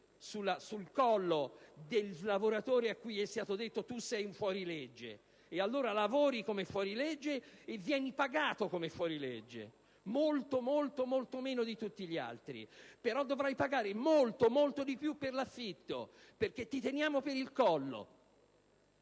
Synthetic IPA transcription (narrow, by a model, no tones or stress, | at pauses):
sulːasulkɔlːod̪ellavoɾat̪oːɾeakːujɛst̪aːt̪od̪et̪ːot̪usːɛjuɱfwɔːɾiled͡ʒːḛː | alːoːɾalavoɔːɾikomɛfːwɔːɾilɛd͡ʒːeːvːjɛːnipaɡaːt̪okomɛfːwɔːɾiled͡ʒːḛ | molt̪omolt̪omolt̪omeːnod̪it̪ut̪ːiʎia̰lt̪ɾḭpeɾɔd̪ːovɾajpaɡaːɾemolt̪omolt̪od̪ipjupːerlafːit̪ːo̰perk̟et̪ːit̪enjaːmopeɾilkɔlːo̰